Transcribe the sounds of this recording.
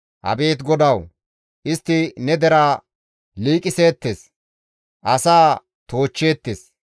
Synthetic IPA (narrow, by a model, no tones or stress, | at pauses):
hɐ̰be̞ːt̪ɡɔd̪ɐw | ʔɪst̪ːɪnɛd̪ɛɾaː | liːkʼɪse̞ːt̪ːes | ʔɐsaː | t̪o̞ːt͡ʃːeːt̪ːes